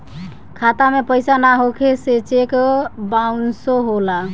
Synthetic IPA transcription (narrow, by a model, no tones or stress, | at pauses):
kʰat̪amepəjsanaɦokʰeset͡ʃekbaunsoɦola